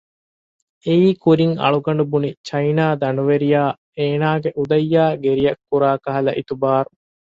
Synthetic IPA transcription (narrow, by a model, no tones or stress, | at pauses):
eiːkuɾiŋɐ̰ɭuɡɐɳ̆ɖubunit͡ʃɐjnaːd̪ɐnuʋeɾijaː | eːnaːɡeʔud̪ɐjːaːɡeɾijɐkːuɾaːkɐɦɐlɐʔit̪ubaːɾu